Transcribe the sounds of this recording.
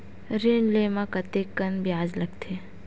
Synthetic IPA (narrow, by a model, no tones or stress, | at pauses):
ɾenleːmãkɐt̪ekːɐnbjaːd͡ʒlɐɡt̪ʰe